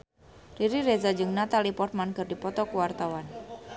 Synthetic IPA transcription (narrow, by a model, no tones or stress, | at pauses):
riɾiɾezad͡ʒəŋnat̪alipɔrt̪̚mankərdipɔt̪ɔkuwart̪awan